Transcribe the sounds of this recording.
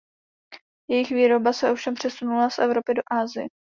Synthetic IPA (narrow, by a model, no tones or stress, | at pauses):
jɛjɪxviːɾo̞basɛʔo̞fʃɛmpr̝̥ɛsunulasʔɛvɾo̞pɪdo̞ʔaːzɪjɛ